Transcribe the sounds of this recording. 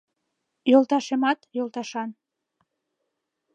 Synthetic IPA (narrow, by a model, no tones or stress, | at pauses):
jolt̪ɑʃemɑt̪jolˠt̪ɑʃɑn